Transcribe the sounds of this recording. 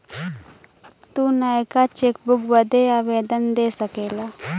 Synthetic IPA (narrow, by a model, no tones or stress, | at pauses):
t̪uːnaːjkat͡ʃeːk̚bʊkbəd̪eaːʋeːd̪ənd̪eːsəkeːlaː